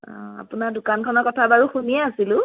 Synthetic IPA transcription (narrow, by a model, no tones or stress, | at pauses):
a̰pʊnadʊkankʰɔnɔɹkɔtʰabaɹuxunijɛasilʊ̃